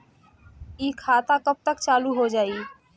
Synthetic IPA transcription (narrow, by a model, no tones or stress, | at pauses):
iːkʰaːt̪akəp̚t̪əkt͡ʃaːluɦod͡ʒaːiː